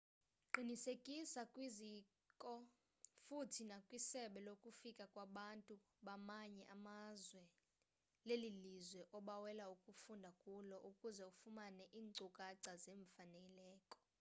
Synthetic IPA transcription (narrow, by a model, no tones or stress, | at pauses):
ǃʱinisekʼisakʼwizi | kʼɔ | futʰinakʼwisɛɓɛlokʼufikʼakʼwaɓantʼu | ɓamaɲɛʔamazwɛ | lelilizwɛʔɔɓawɛlaukʼufundʱakʼulɔʔukʼuzɛufumanɛʔiːŋŋ͡ǀukʼaǀazeːɱfanɛlɛːkʼɔ̥